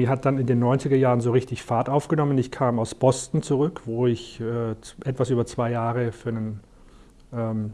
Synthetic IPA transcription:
iɦat̚d̥anɪndeːnːɔʏnt͡sɪɡɐjaːʁənzoːʁɪçtɪçfaɐtʔaʊfɡ̥ənɔmənɪçkʰaːmaʊsb̥ɔstn̩t͡suʁʏkv̥oːɪçɛːt͡sʔɛtv̥asʔyːbɐt͡sv̥aɪjaːʁəfyːɐnən | ʔɛːm

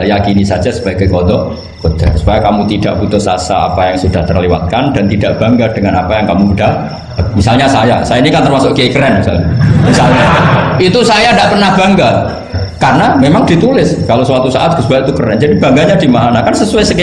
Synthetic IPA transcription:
jakinisad͡ʒasə̥b̥aɡajkɔd̪ɔ | kod̪̥a̰rsu̥pajakamut̪ida̰ʔput̪ʊsa̰sa̰a̰pajaŋsudaht̪ərlewa̰t̪̚kand̥ant̪idaʔb̥aŋɡad̥əŋanapajaŋkamuudah | misalɲasaja̰sajainikant̪ərmasʊʔɡeikəɾɛnmisa̰lɲamisalɲait̪usajandaʔpərnahbaŋɡa | karənamemaŋdit̪ulɪskalosəwat̪usa̰ʔat̪̚ɡsbait̪ukəɾɛnd͡ʒadiba̤ŋɡaɲadimaɦanakansəsuajsək

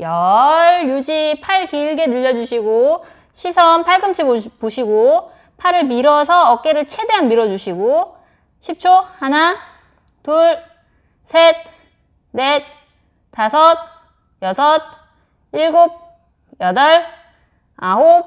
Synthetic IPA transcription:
jʌɭjud͡ʑipʰaɭkiɭɡe̞nɯʎːʌd͡ʑuɕʰiɡo | ɕʰisʰʌnpʰaɭɡɯmt͡ɕʰibpoɕʰiɡo | pʰaɾɯɭmiɾʌsʰʌːk͈̚e̞ɾɯɭt͡ɕʰe̞de̞ɦanmiɾʌd͡ʑuɕʰiɡo | ɕʰip̚t͡ɕʰohana | tuɾ | sʰet̚ | net̚ | tasʰʌt̚ | jʌsʰʌt̚ | iɭɡob̚ | jʌdʌɭ | aɦo

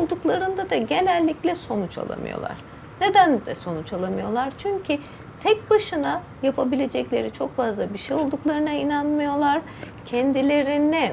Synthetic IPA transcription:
olˠd̪uklˠaɾɯnd̪ad̪aɟe̞nælʲːiclʲɛso̞nut͡ʃa̰lˠa̰mɯ̰jo̰lˠa̰ɾ̥ | ned̪ænd̪ɛso̞nut͡ʃalˠamɯjo̞lˠaɾt͡ʃʰyɲcʰi | t̪ʰɛc̚baʃɯna | japʰabilʲe̞d͡ʒɛclʲeɾit͡ʃʰo̞kfazlˠabiɾʃɛjo̞lˠd̪uklˠaɾɯnainanmɯjo̞lˠaɾ̥ | cʰɛnd̪ilʲe̞ɾinɛ

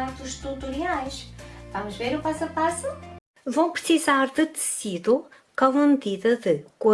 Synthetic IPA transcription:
at̪uʃt̪ut̪uɾiajʃvamʊʒveɾupasɐpasu | vɐ̃w̃pɾɨsizaɾðɨt̪ɨ̥siðu | kamɐmɨðiðɐðɨkɐ

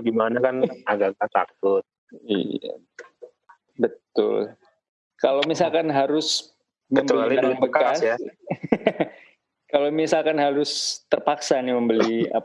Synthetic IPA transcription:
ɡimanakanaɡaŋkat̪a̰k̚ʊt̪̚ | ḭa̰ | bət̪ʊ̰l | kalomisalkanɦaɾʊs | məmbəlialidŋbəkaasja | kalomisalkanɦaɾʊst̪ərpaksaniməmbəlia̰

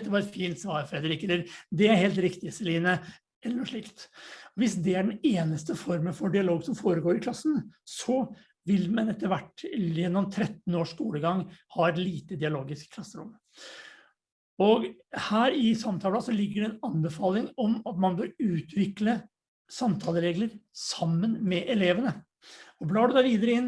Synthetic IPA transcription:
ɛt̪ːəʋɑːɾɛt̪fiːnt̪sʋɑːɾfɾɛd̪əɾɪkːɛlːəɾd̪ɛæɾheːlt̪ɾɪkt̪ɪsɛliːnə | ɛlːəɾɔʂɭɪkt̪ɔʋɪsd̪ɛæɖɛneːnəst̪əfɔɾmənfɔɖɪɑloːɡsɔmfoːɾəɡoːɾɪkʰlɑsn̩sɔ | ʋɪlmɛnɛt̪ːəɾʋæʈːjɛnːɔmt̪ʰɾɛt̪n̩oːʂkuːləɡɑŋːhɑːɛt̪liːt̪əd̪ɪɑloːɡɪskkʰlɑsːəɾʊm | ɔɡ | hæːɾɪsɑmt̪ʰɑːlɑsɔlɪɡːəɖɛɛnɑnbəfɑːlɪŋɔmɑt̪mɑnbøːɾʉːt̪ʋɪklə | sɑmt̪ʰɑːləɾeːɡləɾsɑmːənmɛʔɛleːʋənə | ɔblɑːɖʉd̪ɑːʋiːd̪əɾəɪn

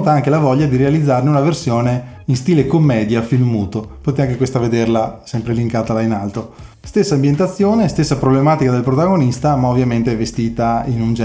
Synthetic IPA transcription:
t̪aaŋkelavɔʎːad̪iɾealid̪zːarneunaversjoːneinst̪iːlekomːɛːd̪jafilmuːt̪opot̪et̪eaŋk̬ekwest̪aved̪erlasɛmpɾeliŋkaːt̪alainalt̪o | st̪esːambjent̪at̪sːjoːnest̪esːapɾoblemaːt̪ikad̪elpɾot̪aɡonist̪amaovjament̪eɛvest̪iːt̪ainund͡ʒɛ

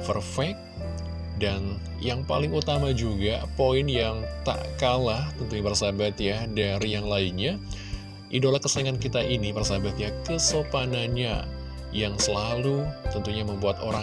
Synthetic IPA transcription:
pərfɛk̚ | dan | jaŋpa̰lɪŋut̪amad͡ʒuɡapoɪnjaŋt̪a̰ʔkalaht̪ənt̪uɲabərsabat̪jadaɾijaŋlainɲa | ʔidolahkəsəaŋankit̪aʔinibərsabat̪jakəsopanaɲa̰ | jaŋsəlalut̪ənt̪uɲaməmbuat̪oɾa

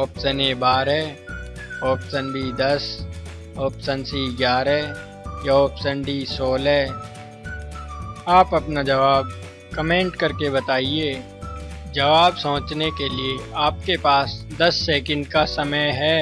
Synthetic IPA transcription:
oːpsənebaːɾɦɛː | oːpsənbʱid̪ɐs | ɔːpsənsiɡjaːɾɛ | jaɔːpsənɖisɔːlɦɛː | aːpɐpnad͡ʒɐʋaːb̚ | kɐmẽːɳʈkɐɾkebɐt̪aːieː | d͡ʒɐʋaːbsɐ̃ːt͡ʃnekelieaːp̚kepaːsd̪ɐsːeːkə̃ɳɖkasɐməjɦɛː

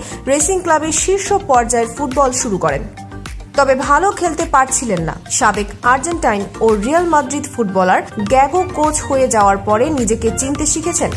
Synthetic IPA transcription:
ɾesiŋklabeʃiɾʃopɔɾd͡ʑaeɾfuʈ̚bɔlʃuɾukɔɾḛn | t̪ɔbebʱalokʰelt̪epaɾt͡ɕʰilenːa̰ʃabekaɾd͡ʑenʈajnoɾialmad̪ɾid̪fuʈbɔlaɾɡɛɡokot͡ɕʰhojed͡ʑaoaɾpɔɾenid͡ʑeket͡ɕint̪eʃikʰet͡ɕʰen

